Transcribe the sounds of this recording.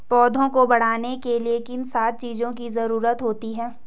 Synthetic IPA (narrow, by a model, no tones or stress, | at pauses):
pɔːd̪ʱõkobɐɽ̤aːnekeliekɪnsaːt̪̚t͡ʃiːzõkizɐɾuːɾət̪ɦoːt̪iɦɛ̃ː